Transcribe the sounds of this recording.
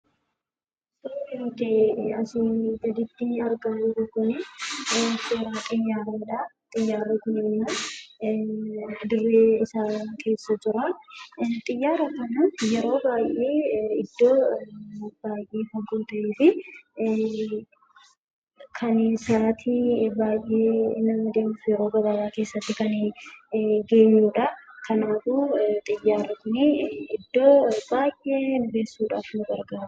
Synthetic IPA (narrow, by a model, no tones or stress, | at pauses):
soɪmʊt̪eɐsɪd̪ɐd̪ɪt̪ːɪɐɾɡad͡ʒɪɾʊkʊnɪ | toːɾaːkʼɪɲːaːɾɐːᶑɐt̪ʼɪjːaːɾɐkʊnɪnːmɐ | d̪ʊrːeːɪsaːkʰe̞ːsːɐt̪ʊɾɐ | t̪ʼɪjːaːɾɐkɐnɐjɛɾo̞ːbaːjʔeːɪd̪̥ːo̞ː | b̥aːjʔeːhɔɡuːt̪ɐʔeːfɪ | kʰɐneːsaːt̪ʰɪbaːjʔeːnːɐmɐd̪e̞ːmʊfjɛɾo̞ːɡɐbɐːbaːke̞ːsːɐt̪ːɪkɐn | ɡe̞ːɲːuːᶑɐkʰɐnaːfuːt̪ʼɪjːaːɾɐkʊnɪɪd̪ːo̞ːbaːjʔe̞ːnʊbe̞ːsːuːᶑaːfnʊɡɐɾɡaːɾʊ̥